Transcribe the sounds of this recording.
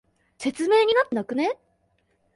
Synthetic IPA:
se̞t͡sɨme̞ːɲ̟inat̪ːe̞nakɯ̟ne

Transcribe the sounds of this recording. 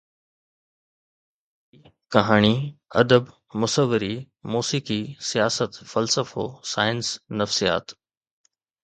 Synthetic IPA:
kɐɦaːɽ̃iɐ̰d̪əb | mʊsəʋːɪɾi | muːsiːkisijaːsət̪fɐlsəfoːsaːɪnsnɐfsija̰ːt̪

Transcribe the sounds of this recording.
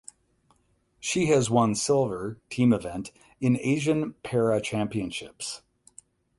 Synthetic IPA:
ʃiɨzwʌ̃nsɪlˠvə˞tʰĩmɨvɛ̃nt | ɨ̃neɪʒɨ̃npʰɛɹɨt͡ʃʰæ̃mpiɨ̃nʃɪps

